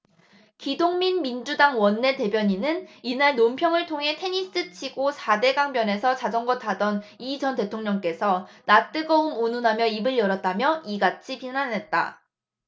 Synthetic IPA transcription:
kidoŋminmind͡ʑudaŋwʌnːe̞te̞bjʌɲinɯninaɭnompʰjʌŋɯɭtʰoŋɦe̞tʰe̞ɲis͈ɯt͡ɕʰiɡosʰade̞ɡaŋbjʌne̞sʰʌt͡ɕad͡ʑʌŋɡʌt͈adʌnid͡ʑʌnte̞tʰoŋɲʌŋk͈e̞sʰʌnat͈ɯɡʌumununɦamjʌibɯɭjʌɾʌt̚t͈amjʌiɡat͡ɕʰipinanɦe̞t̚t͈a̰

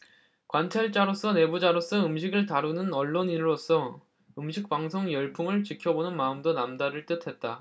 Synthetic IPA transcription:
kwant͡ɕʰaɭt͡ɕ͈aɾos͈ʌne̞bud͡ʑaɾos͈ʰʌɯmɕʰiɡɯɭtaɾunɯnʌɭːoniɾɾos͈ʌ | ɯmɕʰik̚p͈aŋsʰoŋjʌɭpʰuŋɯɭt͡ɕikʰjʌbonɯnmaɯmdonamdaɾɯɭt͈ɯtʰe̞t̚t͈a

